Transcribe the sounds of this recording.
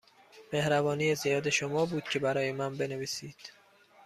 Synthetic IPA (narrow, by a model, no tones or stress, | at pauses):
me̞hɾævɒːnijezijɒːd̪e̞ʃomɒːbuːd̪̥̚cʲʰe̞bæɾɒːjemænbe̞neviːsiːd̪̥